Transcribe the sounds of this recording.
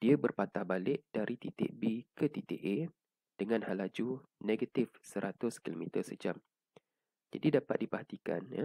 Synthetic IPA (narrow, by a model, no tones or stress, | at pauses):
d̥iabərpat̪ahbalɪʔ̚d̥aɾʔit̪it̪ḛʔ̚bikət̪it̪eʔe | d̥əŋãnhalad͡ʒuneɡat̪ɪfsəɾat̪ʊskilomit̪ərsəd͡ʒam | d͡ʒa̰didapa̰t̪̚dipahat̪ika̰nj̰